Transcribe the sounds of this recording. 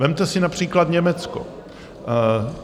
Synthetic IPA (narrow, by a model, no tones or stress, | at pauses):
vɛmt̪ɛsɪnapr̝̥iːklat̪ɲɛmɛt͡sko̰